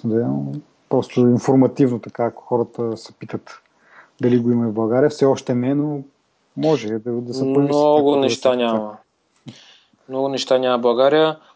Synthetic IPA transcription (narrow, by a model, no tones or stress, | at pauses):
md̪ɛ | pɾɔst̪oinfoɾmɐt̪ivnot̪ɐkaːkʊ̥xɔɾət̪əsɛ̥pit̪ət̪ | d̪ɐliɡoimɐɛvbˠɐɡaɾijəfsɛɔʃt̪ɛnɛno | mɔʒɛd̪ɐd̪ɐsɛpəlniɔɡʊnɛʃʃt̪anʲamɐ | mnɔɡʊnɛʃt̪anʲamɐbˠɐɡaɾiə